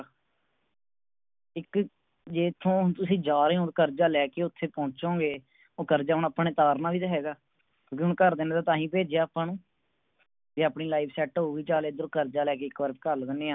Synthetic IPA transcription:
ɪk | d͡ʒeːt̪ʰːõːt̪ʊsĩːd͡ʒaːɾeːõːkəɾd͡ʒaːlɛːkeːʊt̪ʰːeːpɔ̃ːt͡ʃõːɡeː | oːkəɾd͡ʒaːʊnaːpːɳẽːt̪aːɾnaːʋiːt̪aːɦɛːɡaː | kjõːkɪʊnkəɾd̪eːneːt̪aːt̪ãːɦĩːpeːd͡ʒjaːpːãːnũː | d͡ʒeːaːpniːlaːibsɛːʈɦoːʋiːt͡ʃaːleːd̪ɾoːkəɾd͡ʒaːlɛːkeːɪkʋəɾpːkəɾlɡəneːãː

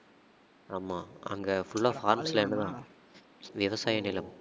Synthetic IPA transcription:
aːmaːɐ̰ŋɡɐfʊɭːaːfaːɾmsɪlɐɛnːɯd̪ãː | ʋɪʋɐsaːjɐnɪlɐm

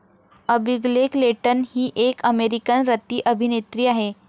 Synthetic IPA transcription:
əbiɡlekleʈənhiːʔekəmeɾikənɾət̪iːʔəbʱinet̪ɾiːaɦe

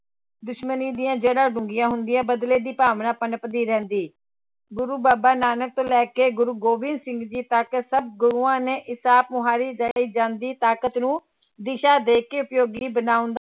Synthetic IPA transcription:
d̪ʊʃməniːd̪ɪjãːd͡ʒeːɽãːɖʊŋɡɪjãːɦʊnd̪ɪjãːbəd̪leːd̪iːpaːʋnãːpənpəd̪iːɾɛ̃ːnd̪iː | ɡʊɾuːbaːbaːnaːnək̚t̪õːlɛːkeːɡʊɾuːɡoːʋɪnsɪ̃ŋɡd͡ʒiːt̪əksəb̚ɡʊɾuːãːneːʔɪsaːp̚mʊɦaːɾiːd͡ʒaiːd͡ʒãːnd̪iːt̪aːkət̪nũː | d̪ɪʃaːd̪eːkːeːʊpjoːɡiːbənaːʊ̃nd̪aː

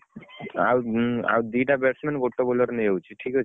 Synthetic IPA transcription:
a̰wa̰wd̪iʈabeʈsmenɡoʈːobolɔɾnejot͡ɕʰiʈʰikɦot͡ɕʰe

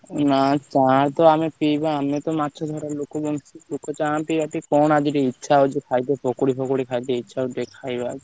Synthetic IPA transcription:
nat͡ʃãɾt̪oamipijbaamet̪omat̪ːʃʰod̪ʱɔɾaɾlokobɔŋsilokot͡ʃãpibaʈikɔnad͡ʒiʈiitːʃʰaod͡ʒekʰajt̪̬epʰokoɾipɔkoɽikʰajt̪eitːʃʰaoʈekʰajbad͡ʒ

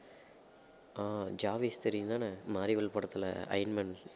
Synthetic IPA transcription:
aːd͡ʒaːʋist̪ɛɾɪnd̪aːnɐmaːɾiʋɐɭpɐɽɐt̪ːɪlɐ̰ɐ̰ɪnmɐn

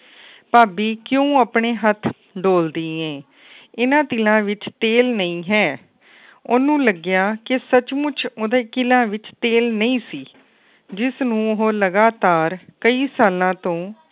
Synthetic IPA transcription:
paːbiːkjõːəpɳeːɦət̪ʰː | ɖoːld̪iːɛ̃ː | ɪnãːt̪ɪlãːʋɪt͡ʃt̪eːlnəĩːɦɛː | ʊnũːləɡjaːkɪsət͡ʃmʊt͡ʃʰoːd̪eːkɪlãːʋɪt͡ʃt̪eːlnəĩːsiː | d͡ʒɪsnũːʊɦoːləɡaːt̪aːɾkəiːsaːlãːt̪õː

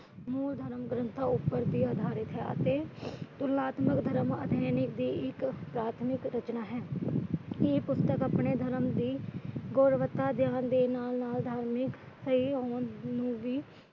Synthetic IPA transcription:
muːld̪ʱəɾəmɡɾənt̪ʰaːʊpːəɾd̪iːaːd̪ʱaːɾɪt̪ɦɛ̰ːə̰t̪eːt̪ʊɾnaːt̪məkd̪ʱəɾəmə̰d̪ʱjɛːnɪk̚d̪iːɪkpɾaːt̪ʰmɪkɾət͡ʃnaːɦɛː | eːpʊst̪əkəpneːd̪ʱəɾəmd̪iːɡoːɾʋət̪ːaːd̪ɪjaːnd̪eːnaːlnaːld̪ʱaːɾmɪk | səɦiːɦoːnnũːʋiː

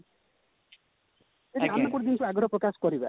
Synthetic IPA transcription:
et̪ianːɔkuɽd̪int͡ʃʰuaɡʱɔɾɔpɾɔkaskɔɾiba

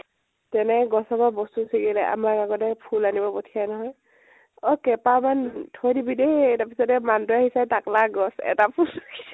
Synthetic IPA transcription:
tɛnɛɡɔsababɔstusiɡilɛʔa̰makaɡɔtɛpʰulanibɔpɔtʰijanɔɦɔj | ɔkɛpamantʰɔjdibidetapʰisɔtɛmandɔahisajtaklaɡɔsɛ̰tapʰulski

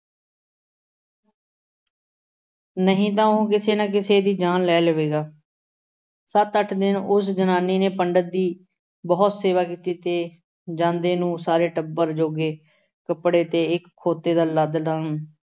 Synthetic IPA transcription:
nəɦĩːt̪̬ãːõkɪseːnãːk̬ɪseːd̪iːd͡ʒaːnlɛːləʋeːɡaː | sət̪əʈʰd̪ɪnʊsd͡ʒənaːniːneːpəɳɖət̪̚d̪iː | bɔːt̪seːʋaːkiːt̪iːt̪eː | d͡ʒãːnd̪eːnũːsaːɾeːʈəbːəɾd͡ʒoːɡeː | kəpɽeːt̪eːɪkʰːoːt̪ːeːd̪aːləd̪lən

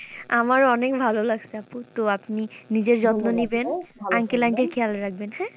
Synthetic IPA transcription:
amaɾɔnekbʱalolaɡsʰeaput̪oapninid͡ʑeɾd͡ʑɔt̪nonibenaŋkelaŋʈeɾkʰɛalɾak̚ʰbenhɛ̃

